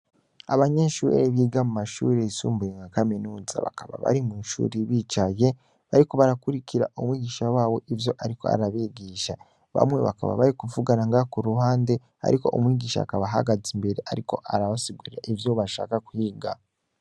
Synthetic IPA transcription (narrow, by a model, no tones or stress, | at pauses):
aβaɲeʃuːɾ̰eβiːɡamumaʃṵːɾeisuːmbujeŋɡakaminuːza̰βa̰kaβa̰βa̰ɾimwinʃṵːɾiβit͡ʃaje̞ | βaɾiko̞βaɾakuɾikiɾa̰ʔomwiːɡiːʃawaːwo̞ʔivjo̞ʔaɾiko̞a̰ɾaβeɡiːʃa | βa̰mŋwe̞̰βa̰ka̰βa̰βaɾikuvuɡanaŋɡakuɾuɦaːnde̞ | a̰ɾʔiko̞ʔomwiːɡiːʃa̰ːkaβaɦa̰ɡazimbe̞ɾe̞ʔaɾiko̞ʔaɾaβasiɡuɾaʔivjo̞βaʃa̰ːkakuhiːɡa